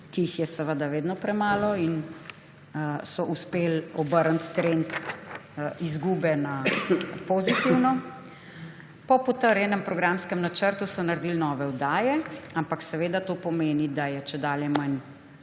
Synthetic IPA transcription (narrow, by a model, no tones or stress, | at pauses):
kiixjɛsəʋəd̪aʋeːd̪nɔpɾɛmaːlɔin | sɔʔuspelɔbəɾnt̪ːɾent̪ | izɡuːbɛnapozit̪iwnɔ | pɔpɔt̪əɾjɛnɛmpɾɔɡɾamskɛmnat͡ʃəɾt̪usɔnaɾd̪ilnɔːʋɛɔd̪aːjɛampaksɛʋeːd̪at̪oːpɔmeːnid̪ajɛt͡ʃɛd̪aːljɛman